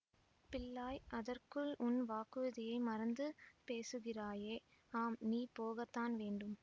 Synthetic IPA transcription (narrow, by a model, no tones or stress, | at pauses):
pɪlːaːjʔɐðɐrkɯɭʔʊnʋaːkɯɐðɪjɐɪmɐɾɐnd̪ɯpeːsɯɣɪraːjeː | aːmniːpoːɣɐt̪ːaːnʋeːɳɖɯm